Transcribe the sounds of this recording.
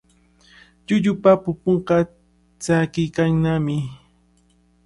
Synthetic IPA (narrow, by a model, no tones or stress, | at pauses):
ʎʊʎʊpapʊpoɴqɑ | t͡sakɪjkaŋnamɪ